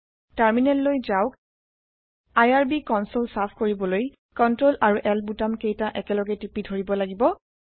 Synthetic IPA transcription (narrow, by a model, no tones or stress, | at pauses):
taɹminɛtlojzaʊk | ajaɹbikɔnsolsapʰkoɹibɔloj | kɔntɹolʔaɹuʔɛlbutamkejtaʔɛkɛlɔɡɛtipidʱoɹibɔlaɡibɔ